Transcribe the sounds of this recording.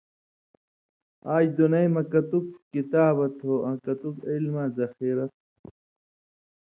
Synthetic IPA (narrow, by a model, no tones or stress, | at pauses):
aːd͡ʑd̪unɐjmɐkɐt̪uk̚kit̪aːbɐt̪oʔɐ̃kɐt̪ukilmaːzɐxiːɾɐt̪̚